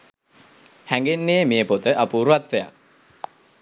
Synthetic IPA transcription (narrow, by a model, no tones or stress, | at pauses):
hæŋɡenːeːmeəpot̪əʔapuːɾuʋat̪ʋeja̰